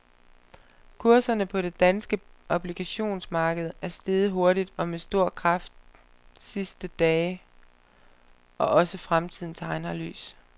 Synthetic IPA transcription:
kʰuɐsɐnəpʰɒ̽ɾ̥e̝d̥ænsɡ̥əʔɒb̥liɡ̥æɕo̝̰ːnsmɑ̈ːɡ̥əð̞̩ˠæɐsd̥e̝ːð̩ˠɦo̝ɐɾid̥ɒ̽mesd̥o̝ɐ̰kʰʁɑ̈fd̥̚ | sisd̥əd̥ɛː | ʔɒ̽ʔɒ̽səfʁamt͡sʰið̞̰ˠn̩t͡sʰɑ̈ɪnɐly̰ːs

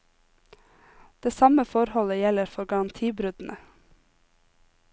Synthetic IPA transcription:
d̪̥eːsɑməfɔɾhɔləjɛləɾfɔɾɡɑːnt̪ʰiːbɾʉd̪n̩ʔə

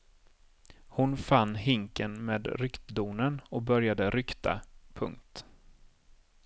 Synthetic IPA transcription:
hʊnfanːɦɪŋkənmeːd̪ɾʏkt̪d̪uːnənɔk̚bœɾjad̪əɾʏkt̪ʰa̰pʰɵ̰ŋkt̪

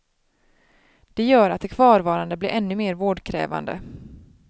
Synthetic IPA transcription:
d̪̥ɛjœːɾat̪d̪ɛkʰv̥ɑːɾvɑːɾand̪əblɪɾʔɛnːɵmeːɾvoːɖkʰɾɛ̰ːva̰nd̪ə̰

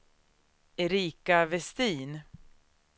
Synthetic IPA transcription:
ɛɾiːkavɛst̪iːn

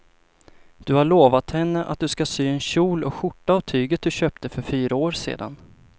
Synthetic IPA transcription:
d̪̥ɵhaɭoːvat̪hɛnːəʔa̰t̪̚d̪ɵskasyːɛnɕuːlɔɧʊʈːaːvt̪ʰyːɡət̪̚d̪ɵɕøːp̚t̪əfœɾfyːɾaoːɾsḛːd̪a̰n

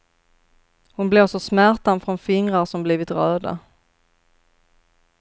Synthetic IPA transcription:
hʊnblɪʁʂɔsmæɾt̪anfɾɔnfɪŋɾaɾsɔmbliːvɪt̪ɾœːda̰

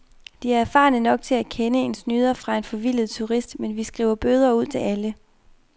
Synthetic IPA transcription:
d̥iæɐæɐfɑ̰̈ːnənɒ̽ɡ̥̚t͡sʰe̝lækʰenəe̝nsnyːð̞ˠɐfʁɑ̈e̝nfɒ̽ʋil̰ð̞̩ˠt͡sʰuʁisd̥menʋisɡ̥ʁḭʊɐb̥øːð̞ˠɐuð̞̰ˠt͡sʰe̝ælə

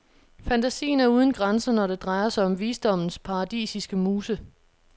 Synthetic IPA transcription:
fænt͡sʰæsḭːn̩æɐuːð̞ˠn̩ɡ̥ʁansɐnɒɾ̥e̝d̥ʁɑ̈ɪɐsɑ̈ɪɒ̽mʋiːsd̥ɒ̽m̰n̩spʰɑ̈ɑd̥ḭːsisɡ̥əmuːsə

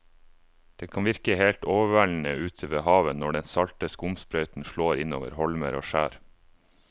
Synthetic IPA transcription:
d̪̥eːkʰɑnʋɪɾklɪheːlt̪oːʋəʋæɭn̩əʔʉːt̪ʰəʋeːhɑːʋənːɔɖɛnsɑlt̪əskʊmspɾœʏt̪n̩ʃɭoːɾɪno̰ːʋə̰ɾhɔlmə̰ɾo̰ːʃæːɾ

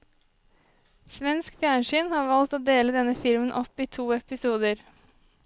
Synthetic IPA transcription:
sʋɛnskbjæːɳʃɪnhɑːɾʋɑlt̪oːd̪eːləd̪ɛnəfɪlmənʔɔpiːt̪ʰuːɛpɪsuːd̪əɾ

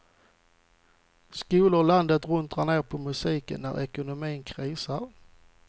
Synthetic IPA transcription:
skuːlʊɾland̪ət̪ɾɵnt̪aɳneːɾpʰɔmɵsiːkə̰nːæ̰ɾʔɛkʊnʊmiːnkʰɾiːsaɾ

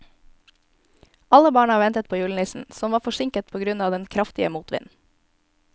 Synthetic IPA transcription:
ʔɑləbɑːɳɑʋɛnt̪ət̪̚pʰoːjʉːln̩ɪːsn̩sɔmʋɑːfɔʃɪŋkət̪̚pʰoːɡɾʉnɑːʋd̪ɛnkʰɾɑft̪ɪəmuːt̪ʋɪ̰n

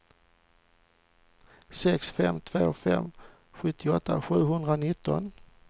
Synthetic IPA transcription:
sɛksfɛmt̪ʰvoːfɛ̰mː | ɧɵt̪ʰːɪɔt̪ːaɧʉ̟ːɦɵnd̪ɾanɪt̪ːɔ̰n

